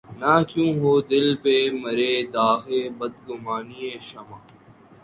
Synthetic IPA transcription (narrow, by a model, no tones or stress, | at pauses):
naːkjũːɦoːd̪ɪlpemɐɾeːd̪aːxeːbɐd̪ɡʊmaːnieːʃɐmãː